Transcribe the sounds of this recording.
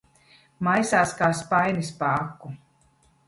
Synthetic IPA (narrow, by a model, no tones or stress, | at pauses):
majsaːskaːspajnispaakːu